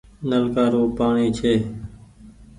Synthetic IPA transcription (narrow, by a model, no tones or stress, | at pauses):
nəlkaːɾoːpaːɳiːt͡ʃʰeː